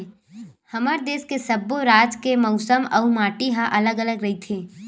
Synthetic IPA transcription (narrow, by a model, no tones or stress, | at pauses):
hɐmaːɾd̪eːskesəbːoɾaːd͡ʒkemɔʊsəmɔ̰umaːʈiɦãʔɐləɡələɡɾɐɦit̪ʰeː